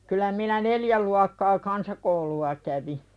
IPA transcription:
kylˑæ minæ neljæ luɑkːɑː kɑnsɑkouluɑ kæʋi

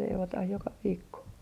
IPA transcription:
leiʋotɑh jokɑ ʋiːkːo

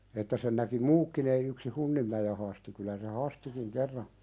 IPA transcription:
etːæ sen næki muːkːin ei yksi hunːimːæje hɑsti kylæ se hɑstikiŋ kerːɑ

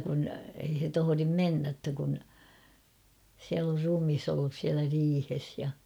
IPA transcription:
kun ei he tohorim menːæ tːæ kun siæl or rumis olːus siælæ riːhes jɑ

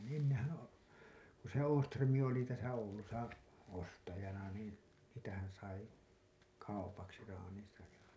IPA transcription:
ni enːehæ o ku se oːstrømˑi oli tæsæ oulusɑ ostɑjɑnɑ niːn sitæhæn̞ sɑi kɑupɑksi rɑːnin̞sɑj jɑ

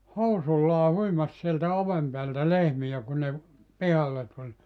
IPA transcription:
housulːɑː huimɑs sieltæ oʋem peæltæ lehmij̆æ kun ne ʋ pihɑlːe tulʲ

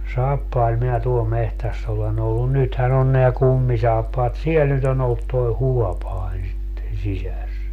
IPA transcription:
sɑːpːɑil minæ tuol mehtæsː olen olːu nythæn on neæ kumːisɑːpːɑːt siel nyt on olːut toi̯ huɔpɑin̞ sitːen̞ sisæs

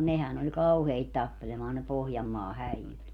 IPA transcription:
nehæn olʲ kɑuheit tɑpːelemɑːn ne pohjɑmːɑː hæijyt

